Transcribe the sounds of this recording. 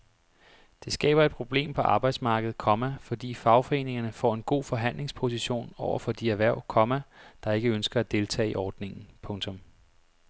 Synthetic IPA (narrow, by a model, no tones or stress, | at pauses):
d̥e̝sɡ̥ɛ̰ːb̥ɐe̝d̥̚pʰʁo̝b̥le̝̰ːmpʰɒ̽ʔɑ̈b̥ɑ̈ɪd̥smɑ̈ːɡ̥əð̞̩ˠkʰɒ̽mæfɒ̽d̥ḭːfɑ̈ʊfɒ̽e̝̰ːne̝ŋɐnəfɒ̰ːe̝nɡ̥o̝̰ːfɒ̽ɦæn̰le̝ŋspʰo̝s̬iɕo̝̰ːnɒʊ̰ɐfɒ̽d̥iæʋæɐʊ̰kʰɒ̽mæd̥ɑ̈e̝ɡ̥əønsɡ̥ɐæd̥e̝lt͡sʰɛ̰ːiʔɒːd̥ne̝ŋn̩pʰɔ̽ŋt͡sʰɔ̽m